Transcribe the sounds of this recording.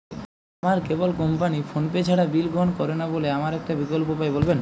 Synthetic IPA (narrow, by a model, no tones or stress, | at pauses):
amaɾkebolkɔmpanifʰonpet͡ɕʰaɽabilɡʱoɦonkɔɾenaboleamaɾɛk̚ʈabikolpopajbolben